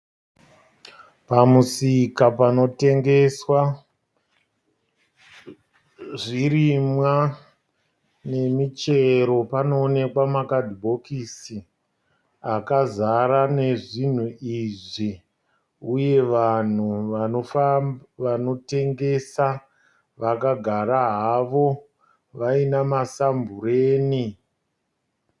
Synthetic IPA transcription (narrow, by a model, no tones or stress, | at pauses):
pamusikapano̞te̞ŋɡe̞swa | ʐiɾimwa | ne̞mit͡ʃe̞ɾo̞pano̞ːne̞kwamakadʱibʱo̞kisi | akazaɾane̞ʐin̤uiʐi | uje̞ʋan̤uo | ʋano̞te̞ŋɡe̞sa | ʋakaɡʱaɾaɦaʋo̞ | ʋainamasambureːni